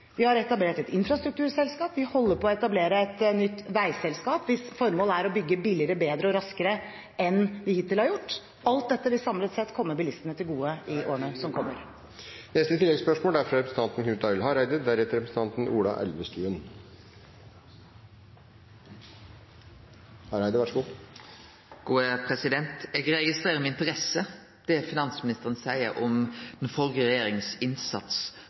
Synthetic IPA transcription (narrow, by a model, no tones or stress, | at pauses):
ʋɪhɑɾɛt̪ɑbleːʈɛt̪ɪnfɾɑst̪ɾʉk̚t̪ʉːɾsɛlskɑːpʋɪhɔlːəɾpʰɔɔɛt̪ɑbleːɾəɛt̪nʏt̪ːʋæɪsɛlskɑːpʋɪsfɔɾmoːlæɾɔbʏɡːəbɪlɪəɾəbeːd̪ɾəɔɾɑskəɾə | ɛnʋɪhɪt̪ːɪlhɑɾjʊʈː | ɑlt̪̚d̪ɛt̪ːəʋɪsɑmlət̪sɛt̪kʰɔmːəbɪlɪst̪ənət̪ʰɪlɡuːəɪʔo̰ːɳøːsɔmkʰɔmːəɾ | nɛst̪ət̪ʰɪlːɛɡspœʂmoːld̪æɾfɾɑɾɛpɾsn̩t̪ɑnt̪n̩kʰʉt̪ɑɪlɦɑɾæɪd̪əd̪æɾɛt̪əɾɛpɾəsn̩t̪ɑnt̪n̩ʔuːlɑ̰ʔɛ̰lʋəst̪ʉːən | hɑɾæɪd̪əɾʋæʈʂɔɡuː | ɡ̥uːəpʰʁɛsɪd̪ɛnt̪ɛːɡɾɛɡɪst̪ʁeːʁəmɛɪnt̪əʁɛsə | d̪̥ɛfɪnɑnsmɪnɪst̪əʁənsæɪəɾɔmd̪̥ɛnfɔlɡəɾɛjeːɾɪŋsɪnsɑt̪s